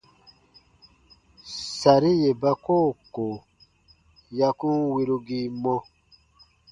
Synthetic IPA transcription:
sa˨ɾi˦je˨ba˦ko˦˨ko˨ | ja˧ku˦wi˦ɾu˧ɡi˦mɔ˦

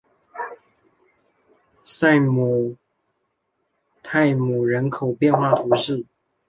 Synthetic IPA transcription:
sa˥˩ɪmu˨˩ | t̪ʰa˥˩ɪmu˨˩ɻə˧˥nkʰo˨˩ʊpjɛ˥˧nxwa˥˩t̪ʰu˧˥ʂɻ̩˥˩

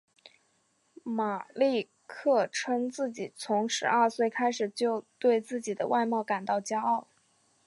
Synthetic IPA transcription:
ma˨˩li˥˧ | kʰɤ˥˩ʈ͡ʂʰə˥ŋt͡sɹ̩˥˩t͡ɕi˨˩t͡sʰʊ˧˥ŋʂɻ̩˧˥ə˞˥˧swe˥˩ɪkʰa˥ɪʂɻ̩˨˩t͡ɕjo˥˧ʊt̪we˥˧ɪt͡sɹ̩˥˩t͡ɕi˨˩d̪ə̰˦wʔa˥˧ɪmɑ˥˩ʊka˨˩nt̪ɑ˥˩ʊt͡ɕja˥ɑ˥˩ʊ

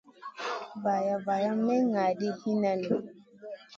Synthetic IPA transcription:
va˨ja˨va˨ja˦mɛ˦ŋa˨di˦hi˦na˨ni˨

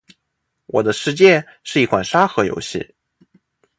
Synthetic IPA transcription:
wʔɔ̰˨˩d̪ə˦ʂɻ̩˧t͡ɕjɛ˥˧ʂɻ̩˥˩i˥kʰwa˨˩nʂa˥xɤ˧˥jo̰˧˥ʊɕḭ˥˩

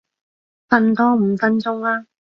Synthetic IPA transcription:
fɐ˧˥nt̪ɔː˥m̩˨˩fɐ˥nt͡sʊ˥ŋlaː˥

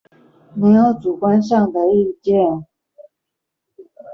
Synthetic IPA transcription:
ne˧˥ɪjo˧˥ʊt͡su˨˩kwa˥nʂ̬ɑ˥˩ŋd̪ə˨i˥˧t͡ɕjɛ˥˨n

